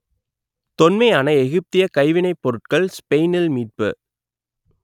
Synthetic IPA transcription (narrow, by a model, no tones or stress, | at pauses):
t̪ɔnmɐɪaːnɐɛɣɪp̚t̪ɪjɐkɐɪʋɪnɐɪpːɔɾɯʈ̚kɐɭspɛɪnɪlmiːʈ̚pɯ̰